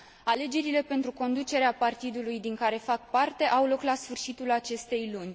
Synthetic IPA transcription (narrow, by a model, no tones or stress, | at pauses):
ale̞d͡ʒe̞ɾile̞pe̞nt̪ɾuko̞nd̪ut͡ʃe̞ɾeapart̪id̪ulujd̪iŋkaɾe̞fak̚part̪e̞ʔawlo̞klasfɨrʃit̪ulat͡ʃe̞st̪e̞jlunʲ